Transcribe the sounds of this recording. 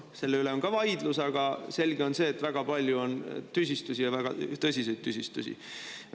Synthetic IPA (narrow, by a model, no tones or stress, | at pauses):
se̞lːeyle̞o̞nɡɑvɑjd̪lusɑɡ̥ɑse̞lɡ̥e̞o̞nse̞ːt̪ːˑvæɡ̥ɑpɑlʲjuo̞nt̪ys̬ʲist̪usʲijɑvæɡ̥ɑ̰t̪ɤsʲise̞jdt̪̚t̪ːysʲist̪ṵsʲḭ